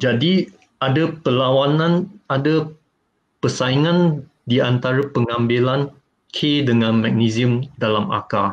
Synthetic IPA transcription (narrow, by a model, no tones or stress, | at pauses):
d͡ʒadi | adapəlawanãnada | pəsaiŋãn | diant̪aɾapəŋãmbilan | kʰedəŋãnmɛk̚niziumdalama̰ka